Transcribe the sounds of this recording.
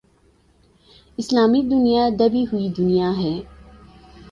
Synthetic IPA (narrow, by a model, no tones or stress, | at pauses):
ɪslaːmid̪ʊnijad̪ɐbiɦʊid̪ʊnijaɦɛː